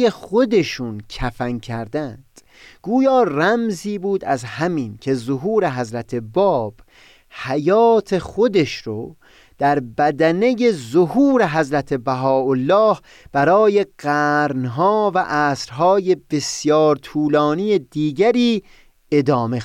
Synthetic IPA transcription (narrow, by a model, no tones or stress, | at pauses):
eχo̞d̪e̞ʃuːncʰæfæŋkʰæɾd̪ænd̪̥ | ɡ̥uːjɒːræmziːbuːd̪æzhæmiːncʲʰe̞zoɦuːɾe̞ɦæzɾæt̪ʰe̞bɒːb̥ | hæjɒːt̪ʰe̞xo̞d̪e̞ʃɾo | d̪̥æɾbæd̪æne̞je̞zohuːɾeɦæzɾæt̪ʰe̞bæɦɒːolːɒːh | b̥æɾɒːje̞ɢ̥æɾnɦɒːvæʔæːsɾɦɒːje̞be̞sjɒːɾt̪ʰuːlɒːnijed̪iːɡæɾiː | e̞d̪ɒːme